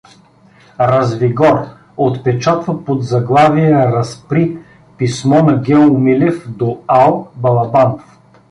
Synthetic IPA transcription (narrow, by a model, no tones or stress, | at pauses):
ɾɐzviɡɔɾ | ot̪pɛt͡ʃat̪vɐpod̪zɐɡlˠaviɛɾɐspɾi | pismɔnɐɡʲɛlˠʊmilɛfd̪oalˠbɐlˠɐbanof